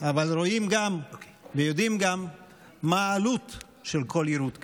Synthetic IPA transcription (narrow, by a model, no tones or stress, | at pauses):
avalɾo̞imɡam | vejod̪imɡamː | aːlut̪ | ʃelkʰo̞liɾut̪